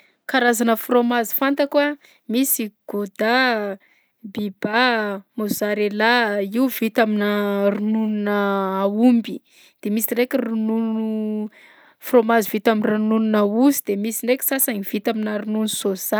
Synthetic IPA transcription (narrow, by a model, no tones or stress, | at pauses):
kaɾazanəfromazi̥fant̪akwa | misiɡ̥od̪a | bibamozaɾelaiuvit̪aminərunununəːumbi | d̪̥emisirekʲirunuu | fromazivit̪aminranununauzid̪emisinekʲi̥sasaniv̥it̪aminaɾununusoz̥a